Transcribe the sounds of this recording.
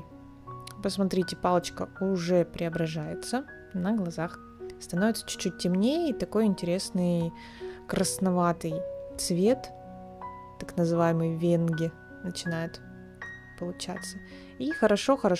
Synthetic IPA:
pəsmɐt̪ɾʲitʲɪpalˠət͡ɕkəʊʐɛpɾʲʔɪɐbɾɐʐajɪt̪sə | nəɡlˠɐzax | st̪ɐnovɪt̪sə̥t͡ɕʉ̥t͡ɕːut̚ʲtʲɪmnʲejəit̪ɐko̞jɪnʲtʲɪɾʲe̞snɨj | kɾəsnɐvat̪ɨjt̪svʲe̞t̪ | t̪ːaknəzɨvajɪmɨjvʲenɡʲɪ | nət͡ɕɪnajɪt̪ | pəlˠʊt͡ɕa̰t̪sə | ixəɾɐʂoxəɾɐ

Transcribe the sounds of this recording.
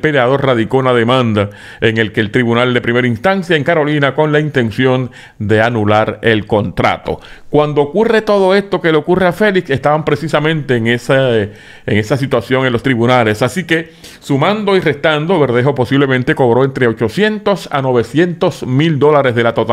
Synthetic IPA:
peleaðo̞ɾraðiko̞unaðe̞mãnd̪a | e̞ŋe̞lkeːlt̪ɾiβunald̪e̞pɾime̞ɾainst̪ansjaeŋkaɾo̞linako̞ŋlaint̪e̞nsjo̞n | d̪e̞anulaɾe̞lko̞nt̪ɾa̰t̪o̞̰ | kwand̪o̞ːkure̞t̪o̞ð̞o̞e̞st̪o̞ke̞leokureafe̞likse̞st̪aβampɾe̞sisamẽnt̪e̞ːŋesa | eŋe̞sasit̪wasjo̞ŋenlo̞st̪ɾiβunale̞sasike̞ | sumãnd̪o̞ire̞st̪and̪oβe̞ɾðe̞ɦo̞po̞siβle̞mẽnt̪e̞ko̞βɾo̞e̞nt̪ɾe̞ot͡ʃo̞sje̞nt̪o̞sa̰no̞βe̞sje̞nt̪o̞smild̪o̞laɾe̞sðe̞lat̪ot̪a

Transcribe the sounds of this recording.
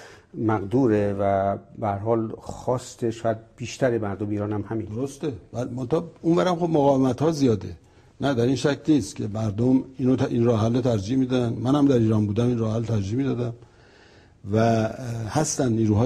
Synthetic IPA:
mæɡd̪uːɾevæbehæɾhɒːlxɒːst̪eʃɔːjæd̪̚b̥iːʃt̪ʰæɾemæɾd̪omiːɾɒːnhæmhæmind̪oɾost̪evælmont̪ɑhunvæɾhæmxobmoɣɒːvemæt̪hɒːzijɒːd̪ḛ | næd̪æɾinʃæcʰniːst̪cʰe̞mæɾd̪omiːnot̪ʔinrɒːɦælːot̪ʰæɾd͡ʒiʔmiːd̪ænd̪mænhæmd̪æɾiːɾɒːnbuːd̪æminrɒːhhælːt̪ʰæɾd͡ʒiːhmid̪ɒːd̪æm | væhæst̪ænd̪niːɾuːɦɒː

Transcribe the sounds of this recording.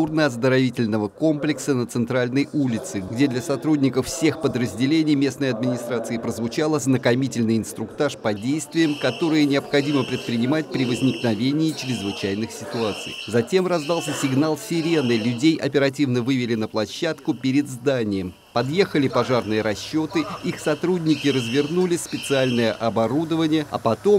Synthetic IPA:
urnəɐzd̪əɾɐvʲitʲɪlʲnəvəko̞mplʲɪksənət̪sɨnt̪ɾalʲnəjʔulʲɪt̪sɨɡdʲed̪lʲɐsɐt̪ɾudʲnʲɪkəfsʲe̞xpəd̪ɾəzʲdʲɪlʲenʲɪjmʲe̞snəjəɐd̪̚mʲɪnʲɪst̪ɾat̪sɨɪpɾəzvʊt͡ɕalˠəznəkɐmʲitʲɪlʲnɨjɪnst̪ɾʊkt̪aʂpɐdʲejst̪vʲɪjəmkɐt̪o̞ɾɨjənʲɪɐpxɐdʲiməpɾʲɪt̪̚pɾʲɪnʲɪmat̚ʲpɾʲɪvəzʲnʲɪknɐvʲenʲɪːt͡ɕɪɾʲɪzvɨt͡ɕæjnɨxsʲɪt̪ʊat̪sɨ̰jzɐtʲe̞mrɐzd̪ɑlˠsʲəsʲɪɡnalˠsʲɪɾʲe̞nɨlʲʊdʲejʔɐpʲɪɾɐt̬ʲivnəvɨvʲɪlʲɪnəplˠɐɕːat̪kʊpʲɪɾʲɪd̪zd̪anʲɪjəm | pɐd̪jexəlʲɪpɐʐarnɨjəɾɐɕːo̞t̪ɨixsɐt̪ɾudʲnʲɪkʲɪɾəzvʲɪrnulʲɪspʲɪt̪sɨalʲnəjəʔɐbɐɾud̪əvənʲɪjəɐ̰pɐt̪o̞m

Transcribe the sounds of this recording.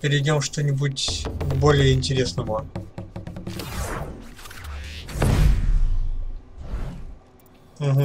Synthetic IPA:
pʲɪɾʲɪdʲomʂt̪onʲɪbutʲbolʲɪjəɪnʲtʲɪɾʲe̞snəvə | m̩ɦ

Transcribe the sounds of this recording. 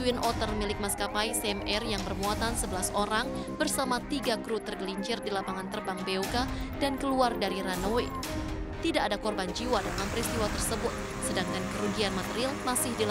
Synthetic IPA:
uwinʔɔt̪ərmilɪk̚maskapajsɛmɛrjaŋbərmuat̪ansəbəlasoɾaŋ | bərsamat̪iɡakɾut̪ərɡəliɲt͡ʃɪrdilapaŋant̪ərbaŋbeuɡadankəluardaɾiɾanowe | t̪idaʔːadakɔrband͡ʒiwadalampɾist̪iwat̪ərsəbʊt̪̚ | sədaŋkankəɾuɡianmat̪eɾialmasɪhdil

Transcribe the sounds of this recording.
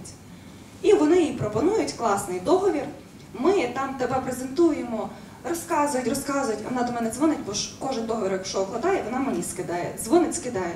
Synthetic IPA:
tʲ | iʋɔnɪjipɾɔpɔnujʊtʲklˠɑsnɪjd̪ɔɦɔʋʲir | mɪt̪ɑmt̪ebɛpɾezent̪ujemɔ | rɔskɑzʊjʊtʲrɔskɑzʊjʊtʲɐ̰nɑd̪ɔmɛnɛzʋɔnɪtʲbɔʃkɔʒɪnd̪ɔɦɔʋʲiɾjɐkʃɔbɦˠɔd̪ɑjɛʋɔnɑmenʲiskɪd̪ɑjɛ̰zʋɔnɪtʲskɪd̪ɑjɛ

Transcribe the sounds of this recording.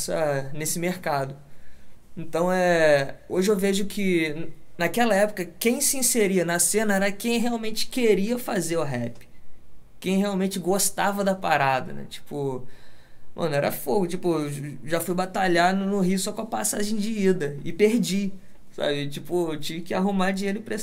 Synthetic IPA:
sɐnesɪmeɾkad̪ʊ | ẽnt̪ɐ̃w̃ɛoʒɪewveʒʊkʰɪnakɛlɐɛpʊ̥kɐkẽj̃sɪĩseɾiɐnɐsẽnɐɛɾɐkẽj̃ɦeawmẽnt͡ʃɪ̥keɾiɐfazeɾʊɦɛpɪ̥kẽj̃ɦeawmẽnt͡ʃɪɡost̪avɐd̪ɐpaɾad̪ɐ̰nɛ̰t͡ʃi̥pʊ | mʔɐ̰̃nʊɛɾɐfoɡʊt͡ʃipʊʒafujbat̪aʎanʊnʊɦiʊsɔkõɐpasaʒẽj̃d͡ʒɪid̪ɐɪpeɾd͡ʒi | sa̰bɪt͡ʃipʊt͡ʃivɪkɪaɦumad͡ʒĩeɾʊɪ̃pɾe

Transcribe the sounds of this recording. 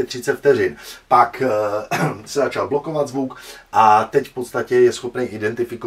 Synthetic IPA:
ɛt̪r̝̥ɪt͡sɛt̪ft̪ɛɾɪnpak | sɛzat͡ʃalblo̞ko̞vad̪zvukʔat̪ɛcfpo̞t̪st̪acɛjɛsxopnɛjʔɪdɛnt̪ɪfɪko

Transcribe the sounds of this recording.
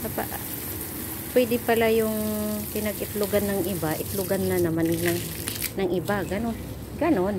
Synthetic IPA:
sapa̰ʔ | pwɛd̪ɪpɐlajʊŋpɪnɐɡɪt̪lʊɡanːɐŋʔɪbaʔɪt̪lʊɡanːanɐmannɐŋ | nɐŋʔɪbaɡɐnon | ɡɐnon

